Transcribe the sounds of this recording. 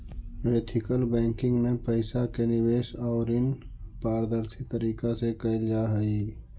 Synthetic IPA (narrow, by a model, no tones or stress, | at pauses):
meːʈ̪ʰɪkəlbɛ̃ːŋkɪ̃ŋɡmẽpəɪsakenɪweːʃɔːʊɾɪnpaːɾd̪əɾsʰit̪əɾiːkasekəɪld͡ʒaɦəi